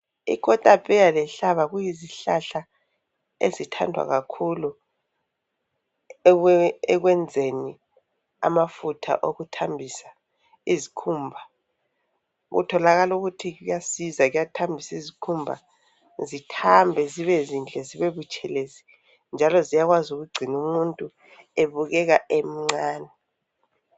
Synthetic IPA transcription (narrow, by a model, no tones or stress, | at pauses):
ḭkʼɔtʼapʼɛjalɛɬaβaɣujiziɬaɬa | ḛzitʰa̰ndʱwa̰ɣakʰulu | ɛɣwɛnd͡zʱeni | a̰mafutʰa̰ʔoɣutʰambʱisḁ | izikʰumbʱa | ɣṵtʰɔlaɣaluɣutʰiɣujasizaɣujatʰambʱisizikʰumbʱa̰ | zitʰambʱɛziβezind͡ɮʼɛziβeβut͡ʃʼɛlezi | nd͡ʒʱalɔzijaɣwazuɣuɡ͡ǀʱinumuntʼu | eβuɣɛɣaʔem̩ŋ͡ǀaːnɛ